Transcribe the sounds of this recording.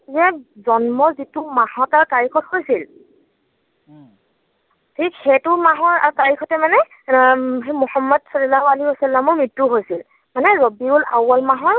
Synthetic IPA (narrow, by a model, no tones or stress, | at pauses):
zɛzɔnmɔzitʊmahɔtaɹkaɹikʰɔthojsil | tʰikhetʊmaɦɔɹa̰ɹkaɹikʰɔtɛmanɛ | ɦmɔhamːɔdsɔlɔlaɦualiɦiwɔsalːamɔɹmɹitːuɦojsil | manɛɹobibʊlawɔlmaɦɔɹ